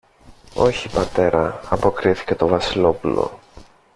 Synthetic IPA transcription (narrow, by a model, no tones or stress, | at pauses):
o̞çipɐt̪e̞ɾɐɐpo̞kɾiθi̥ce̞t̪o̞vɐsilo̞pulo̞̰